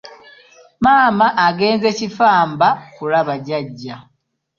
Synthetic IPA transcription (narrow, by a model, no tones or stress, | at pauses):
maːmaʔːɡe̞ːnze̞cifaːmbakulaβaɟaɟːa